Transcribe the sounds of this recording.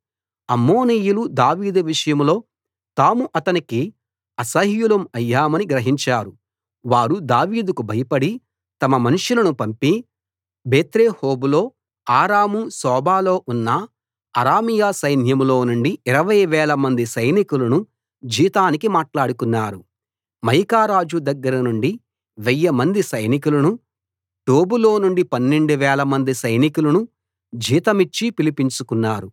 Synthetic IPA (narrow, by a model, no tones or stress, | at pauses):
ɐmːo̞ːniːjulud̪aːʋiːd̪uʋiʂɐjɐmlo̞ː | t̪aːmuʔɐt̪ɐniki | ɐsɐɦjulɐmɐjːaːmɐniɡɾɐɦiɲt͡ʃaːɾu | ʋaːɾud̪aːʋiːd̪ukubʱɐjɐpɐɽi | t̪ɐmɐmɐnuʂulɐnupɐmpi | beːt̪ɾeːhoːbulo̞ː | aːɾaːmusɔːbaːlo̞ːʔunːɐ | ɐɾaːmijaːsɐjn̤jɐmulo̞ːnuɳɖiiɾɐʋɐjʋɛːlɐmɐnd̪isɐjnikulɐnu | d͡ʒiːt̪aːnikimaːʈlaːɽukunːaːɾu | mɐjkaːɾaːd͡ʒud̪ɐɡːɐɾɐnuɳɖi | ʋɛjːɐmɐnd̪isɐjnikulɐnu | ʈoːbulo̞ːnuɳɖipɐnːeɳɖuʋɛːlɐmɐnd̪isɐjnikulɐnu | d͡ʒiːt̪ɐmit͡ʃːipilipiɲt͡ʃukunːaːɾu